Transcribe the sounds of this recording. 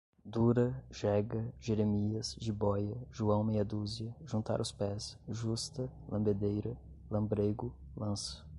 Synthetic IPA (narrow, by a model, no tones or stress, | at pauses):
d̪uɾɐʒ̥ɛɡɐʒeɾemiɐsʒibɔjɐʒuɐ̃w̃mejɐd̪uziɐʒũnt̪a̰ɾʊspɛsʒust̪ɐlɐ̃mbed̪ejɾɐ | lɐ̃mbɾeɡʊ | lɐ̃sɐ̥